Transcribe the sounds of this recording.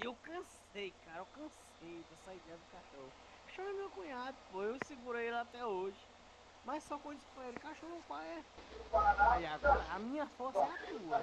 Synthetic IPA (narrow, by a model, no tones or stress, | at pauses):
ewkɐ̃s | ejkaɾɐewkɐ̃s | ejd̪ɛsɐid̪ɛjɐd̪ʊkaʃõ | ʃõmɐmewkũɲad̪ɐʊpoewsɪɡuɾejɛlat̪ɛoʒɪ | mɐjssɔkɐ̃paelɪkaʃohʊpajɛ | ajaɡɔɾɐamĩɲɐfosɛakeɡuɐ